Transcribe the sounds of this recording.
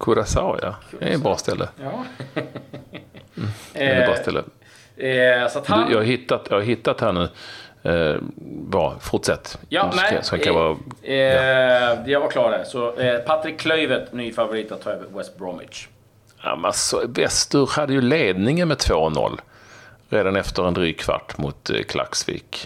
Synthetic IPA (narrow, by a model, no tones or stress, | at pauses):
kʰʊɾasa̰ʊja̰ɛ̰t̪bɾɑːst̪ɛlːə̰ | bɾɑːst̪ɛlːʔə̰ | sat̪hdd̪jʔɑːɡhaɦɪt̪ːat̪jɑːɡhaɾɦɪt̪ːat̪haɳʉ̟ː | vɑ̰fʊʈʂɛt̪ːjɑɛaɔɛŋkavɑː | d̪ɛjavakʰlɑːɖæsɔpʰat̪ɾɪkʰːlœʏvət̪nyːfavʊɾiːt̪at̪ʰːɑːøːvəɾwɛst̪̚bɾɔmɪ̰t͡ʃ | a̰mɛnasɔvɛst̪ɵɾhad̪ːəjɵleːd̪nɪŋənmɛt̪ʰvoːnɔ̰lː | ɾeːd̪anɛft̪əɾɛnd̪ɾyːɡ̚kʰva̰ʈːmʊt̪kʰlʔa̰ksvḭːk